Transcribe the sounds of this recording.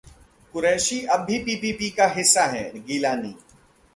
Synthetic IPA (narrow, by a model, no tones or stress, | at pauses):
kʊɾɛːʃiɐbʱːipiːpiːpikaɦɪsːaɦɛ̰ɡiːlaːnḭː